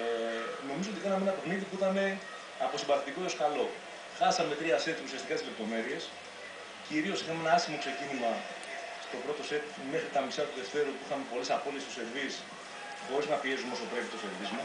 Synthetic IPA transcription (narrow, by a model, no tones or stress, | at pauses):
no̞mizoot̪ikɐnɐmeenɐpeɣniðipuit̪ɐme̞ | ɐpo̞sibɐθit̪ikooskɐlo̞ | xɐsɐme̞t̪ɾiɐsent̪iusiɐst̪ikɐt̪izlept̪o̞me̞ɾie̞s | ciɾio̞sixɐme̞nɐɐsimo̞kse̞cinimɐ | st̪o̞pɾo̞t̪o̞se̞t̪ | me̞xɾit̪ɐmisɐt̪uðe̞ft̪e̞ɾupuixɐme̞po̞lisɐpo̞liest̪ose̞ɾvis | xo̞ɾiznɐpie̞sumeo̞so̞pɾe̞pit̪o̞se̞ɾvizmu